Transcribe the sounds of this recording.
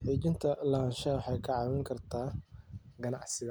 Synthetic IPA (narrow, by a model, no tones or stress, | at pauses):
ħiːt͡ʃɪnt̪ʰɐlɐʃɐwħɑjkʰɐʕɑːwɪŋkʰɐrt̪ʰaː | ɡɐnɑ̰ʕsɪɣɐ